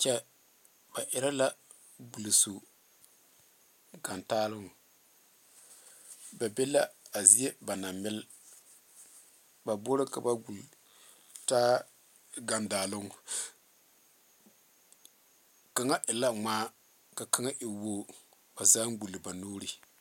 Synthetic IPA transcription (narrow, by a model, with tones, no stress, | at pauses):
t͡ʃɛ˦ | b̥a˨ʔɪ˦ɾa˦la˦ | bu˨lsu˨ | ɡa˨ntaː˦lʊ˦ŋ˨ | ba˨be˦la˦a˨zi˦e˦ba˨na˨mɪ˦l | ba˨bo˦ɾɪ˦ka˨ba˦ɡu˨l | taː˦ | ɡa˨ndaː˨lʊ˦ŋ˨ | ka˨ŋa˦ʔɪ˨la˦ŋ͡maː˦ | ka˨ka˦ŋa˦ʔɪ˨woː˦ | ba˨zaː˦ŋɡ͡bu˨lːɨ˨ba˨noː˦ɾi˨